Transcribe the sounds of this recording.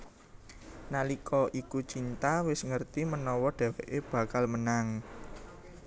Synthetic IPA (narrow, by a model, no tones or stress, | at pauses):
nalikʰɔʔikut͡ʃint̪awɪsŋərt̪imənɔwɔɖ̪̥ɛ̤wɛʔeb̥ä̤kalmənaŋ